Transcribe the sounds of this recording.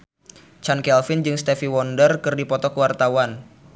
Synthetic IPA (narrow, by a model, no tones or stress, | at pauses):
t͡ʃankɛlfind͡ʒɨŋst̪ɛfiwɔndərkɨrdipɔt̪ɔkəwart̪awan